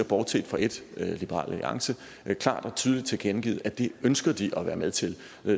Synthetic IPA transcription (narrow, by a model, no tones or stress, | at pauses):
ɐb̥ɒːd̥sʰḛːd̥fɑ̈e̝d̥lib̥əʁɑ̰̈ːlæḭɑ̈ŋsə | kʰlɑ̰̈ːd̥ɒ̽t͡sʰyːð̞ˠlid̥̚t͡sʰe̝lɡ̥enɡ̥ḭːð̞̩ˠæd̥e̝ønsɡ̥ɐd̥iʔɒ̽ʋæːɐmeðˠt͡sʰe̝l